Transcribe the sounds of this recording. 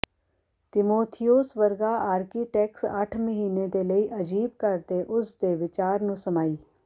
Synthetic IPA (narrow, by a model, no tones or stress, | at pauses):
t̪ɪmoːt̪ʰɪjosʋəɾɡaaːɾkiʈɛːksɐʈʰməɦiːned̪eləiʔɐd͡ʒiːb̚kɐɾt̪eʔʊsd̪eʋɪt͡ʃaːɾnũsɐmaːiː